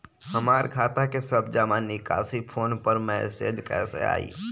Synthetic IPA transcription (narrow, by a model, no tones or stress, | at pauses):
həmaːɾkʰaːt̪akesəbd͡ʒaːmaːnika̰ːsipʰoːnpəɾmɛsḛːd͡ʒkɛ̰ːsḛa̰ːḭː